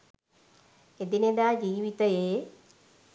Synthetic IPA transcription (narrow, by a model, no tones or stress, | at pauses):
ed̪ined̪aːd͡ʑiːʋit̪ɐjeː